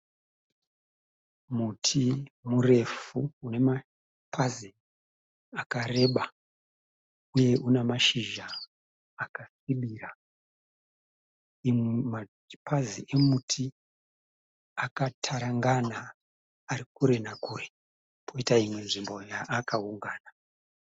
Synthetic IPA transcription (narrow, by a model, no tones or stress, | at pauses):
mutʰimure̞fuune̞ma | pʰazi | akare̞ɓa | uje̞ʔunemaʃiʒaː | kasiɓira | ima | paziʔe̞mutʰi | akatʰaɾaŋɡanaː | ɾikuɾe̞nakuːre | pʰoitaimwe̞nʐimbo̞jaʔːkauŋɡaːna